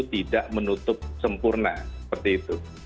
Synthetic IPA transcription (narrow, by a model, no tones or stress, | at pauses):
t̪idaʔmənut̪ʊp̚səmpʊrna̰səpərt̪iːt̪u